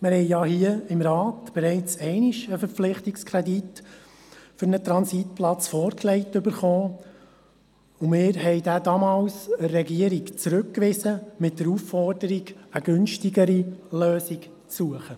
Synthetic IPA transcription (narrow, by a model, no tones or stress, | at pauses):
mɪɾhɛɪjɑhiəɪmɾɑːtb̥ɛɾɛɪt͡sɛɪnɪʃəfəɾp͡flɪχtɪkskʰɾɛdit | fʏɾnət̪ɾɑnsitpʰlɑt͡sfɔːɾklɛɪtʏbəɾχɔː | ʊmɪːɾhɛɪdæːdɑmɑːlsəɾɛɡiəɾikt͡sɾʉkkːʋɪzəmɪt̚d̥əɾuffɔrdəɾiɡəɡɵnʃtiɡəɾiløːsiɡ | t͡sːuəχə